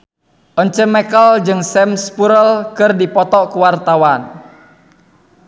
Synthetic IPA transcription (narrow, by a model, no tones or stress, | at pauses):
ʔɔɲt͡ʃəmɛkəld͡ʒɨŋsɛmspuɾəlkɨrdipɔt̪ɔʔkuwart̪awan